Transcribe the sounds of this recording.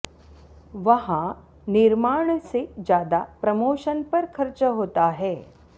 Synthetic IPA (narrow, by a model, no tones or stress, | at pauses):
ʋəɦã | niɾmaːɳsed͡ʑjaːd̪apɾəmoːʃənpɐɾkʰəɾt͡ʃɦoːt̪aɦɛː